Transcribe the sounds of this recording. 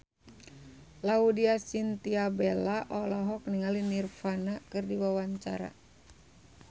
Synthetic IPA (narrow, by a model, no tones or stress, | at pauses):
laudiasint̪iabɛlaʔɔlɔɦɔk̚niŋalinirfanakɨrdiwawaɲt͡ʃa̰ɾa̰